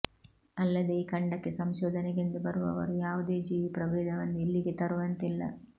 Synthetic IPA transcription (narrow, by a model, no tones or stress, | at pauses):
ɐlːɐd̪eiːkɐɳɖɐkːesɐmʃɔːd̪ʱɐneɡind̪ubɐɾuʋɐ̰ʋɐ̰ɾujaːʋud̪e̞ːd͡ʒiːʋipɾɐʋeːd̪ɐʋɐnːuilːiɡet̪ɐɾuʋɐnt̪ilːɐ̰